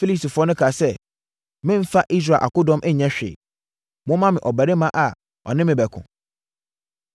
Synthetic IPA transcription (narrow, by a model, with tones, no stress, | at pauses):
fi˦li˦sti˨fʊ˨˦ɔ˦nʊ̃˦kʰa˨sɛ˦ | mɪ̃˦m̩˦fa˦ʔi˦s̬ɾa˨ʔa̰˨kʊ˦dɔ̃˦mʔɛ˦ɲɛ̃˦ɕᶣḛː˨ | mʊ̃˦mã˦mɪ̃˨ʔɔ˨bæ˨ɾe˦mã˦ʔa˨ | ɔ̰˨nɪ̃˦mɪ̃˨bɛ˨kʰʊ̰̃˨